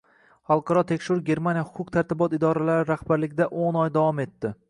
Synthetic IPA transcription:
χɑlˠqʰɑɾɒt̪ʰe̞kʲʃɪɾɡʲe̞ɾmanjahʊ̥qʰʊqt̪ʰaɾt̪ʰɪbɒt̪ɪd̪ɒɾalaɾɪɾahbaɾlɪɡʲɪd̪aʔonɒjd̪avɒme̞t̪ːɪ

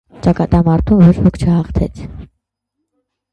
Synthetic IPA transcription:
t͡ʃɑkɑt̪ɑmɑɾt̪ʰumvɔt͡ʃʰvɔkʰt͡ʃʰəhɑχt̪ʰɛt͡sʰ

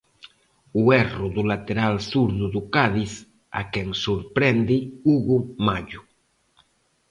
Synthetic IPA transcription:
uɛrʊðʊlat̪eɾalsuɾðʊðʊkaðiθ | a̰kɛŋsuɾpɾɛnd̪ɪuɣumaʎʊ

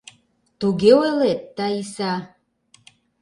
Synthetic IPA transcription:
t̪uɡeoelet̪ːaisa

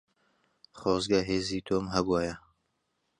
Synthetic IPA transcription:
χoːzɡɐɦeːziːt̪ʰoːmɦɐbwaːjɐ

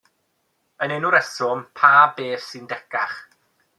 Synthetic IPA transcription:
ənenuɾɛsɔmpʰaːbeːθsɨndɛkaχ

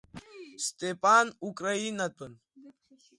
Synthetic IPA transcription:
st̪epʼanukʼɾainapən

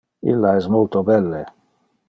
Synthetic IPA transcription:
ḭlːaɛsmolt̪obɛlːe

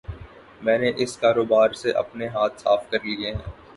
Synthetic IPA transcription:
mɛ̃ːneʔɪskaːɾoːbaːɾseʔɐ̰pneɦaːt̪̚ʰsaːfkɐɾlieɦɛ̰̃ː

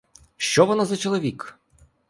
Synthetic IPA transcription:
ʃt͡ʃɔʋɔnazɐt͡ʃɔlˠɔʋʲik

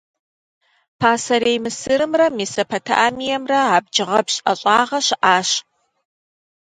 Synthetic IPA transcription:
pʰaːsɐɾeːjmɨsɨɾɨmrɐmiːsɐpʰɐtʰa̰ʔamijɛmrɐaːb̚d͡ʒɪʁɐbɕʼʔɐ̰ɕʼɑːʁɐɕʔaːɕ

